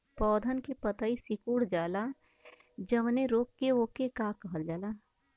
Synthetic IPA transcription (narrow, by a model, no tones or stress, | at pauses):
pɔːd̪ʱənkepət̪aːisɪkuːɽd͡ʒaːla | d͡ʒəmneɾoːkːeoːkekakɐɦəld͡ʒaːlaː